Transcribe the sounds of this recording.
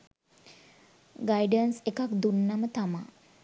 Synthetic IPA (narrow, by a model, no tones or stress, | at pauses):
ɡajɖənsekakd̪unːamət̪ama̰